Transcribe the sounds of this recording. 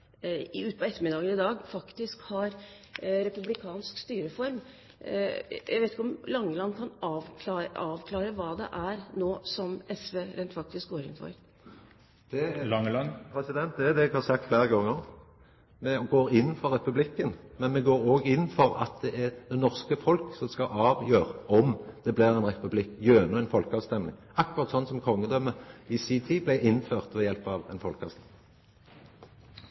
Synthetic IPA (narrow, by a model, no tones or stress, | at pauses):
ɪʉːt̪bɑɛt̪ːəɾmɪd̪ɑːɡənɪd̪ɑːɡfɑkt̪ɪskhɑɾ | ɾɛpʉblɪkʰɑːnskst̪yːɾəfɔɾm | jæ̰ɪʋeɪt̪ɪkəɔmlɑŋːəlɑnːkʰɑnɑːʋkʰɑɑːʋkʰlɑːɾəʋɑːd̪ɛ̰ʔæɾnoːsɔmɛsʋeːɾɛɪnt̪fɑk̚t̪ɪsk̚ɡoːɾɪ̰nfɔ̰ɾ | d̪̥ɛlɑŋnpʰɾɛsɪd̪ɛnt̪d̪ɛd̪ɛɛɡhɑːʁsɑk̚t̪fleːɾəɡɑŋːəʁ | mɛɡoːɾɪnːfɔɾːɛpʉblɪkːənmɛnmɛɡoːɾoːɡɪnːfɔɾɑ̰t̪̚d̪ɛʔæʁd̪̥ɛnɔʁskəfɔlksɔmskɑʔɑːʋjøːʁəɔmd̪̥ɛblɪʁæɪnʁɛpʉblɪkːjøːnəɛnfɔlkəɑːʋst̪ɛmlɪ̰ŋ | ɑkːʊʁɑt̪sɔnːsɔmkʰɔŋːəd̪œmːəɪsiːt̪ʰiblæɪʔɪnføːʁt̪ʋɛjɛlpɑːʋɛ̰nfɔlkəɑ̰ʋst̪ɛmɪŋ